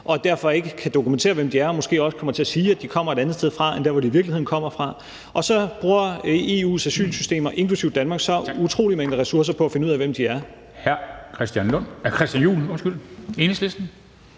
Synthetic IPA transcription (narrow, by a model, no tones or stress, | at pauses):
ʔɒ̽d̥æɐfɒ̽e̝ɡ̥əkʰæd̥o̝kument͡sʰe̝̰ːɐʋemd̥iæɐɒ̽mo̽sɡ̥e̝̰ːɒ̽sə̥kʰɒ̽mɐt͡sʰe̝æsiːæd̥ikʰɒ̽m̰ɐe̝ɾænð̩ˠsd̥eðˠfʁɑ̈end̥æɐʋɒɾiːʋiɐɡ̥lihe̝ðˠn̩kʰɒ̽m̰ɐfʁɑ̈ | ʔɒ̽sɒ̽b̥ʁuːɐe̝ṵːsæsy̰ːlsysd̥e̝̰ːmɐʔe̝ŋkʰlusiʊd̥ænmɑ̈ːɡ̥sɒ̥̽ut͡sʰʁo̝̰ːlimeŋləʁɛsuɐs̬ɐpʰɒ̽æfe̝nəuð̰ˠæʋem̰d̥iæɐ | hæɐkʰʁɛsd̥jænlɔn̰kʰʁɛsd̥jænjṵːlɒsɡ̥yl̰e̝ːnəslesd̥n̩